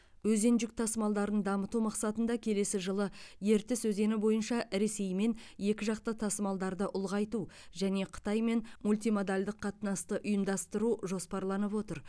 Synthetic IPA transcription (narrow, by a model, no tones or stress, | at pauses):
wɵze̞nʒɪk̚t̪ʰɑsmɑlˠd̪ɑɾənd̪ɑmət̪umɑqsɑt̪ənd̪ɑkʲʰe̞le̞sɪʒəlˠəje̞ɾt̪ɪsɵze̞nɪbo̞jənʃɑɾe̞se̞jme̞nje̞kʲɪʒɑq̚t̪ət̪ʰɑsmɑlˠd̪ɑɾd̪əʔʊlˠʁɑjt̪uʒæne̞qʰə̥t̪ɑjme̞nmulʲt̪ijmod̪alʲd̪ɪqʰːɑt̪nɑst̪əʔʊjəmd̪ɑst̪əɾuʒo̞spɑɾlˠɑnəpwo̞t̪əɾ